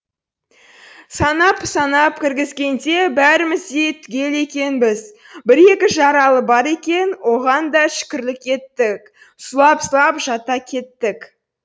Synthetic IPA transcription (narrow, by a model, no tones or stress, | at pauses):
sɑnɑpsɑnɑp̚kʲʰɪɾɡʲɪzɡʲe̞nd̪e̞bæɾɪmɪzd̪e̞jt̪ʰʏɡʲe̞le̞kʲe̞nbɪz | bɪɾe̞kʲɪʒɑɾɑlˠəbɑɾe̞kʲe̞nwo̞ʁɑnd̪ɑʃɪ̥kʲɪɾlɪkʲe̞t̪ːɪk̚ | sʊlˠɑpslˠɑpʒɑt̪ɑkʲʰe̞t̪ːɪk